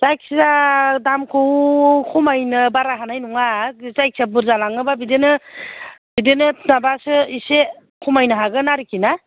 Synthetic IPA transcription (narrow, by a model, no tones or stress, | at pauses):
zajk̚szadamkʰɯwkʰumajnɯbaɾaɦanajnuŋazajk̚sabuɾzalaŋɯbabidenɯ | bidenɯnabasɯise | kʰumajnɯɦaɡɯnaɾikʰina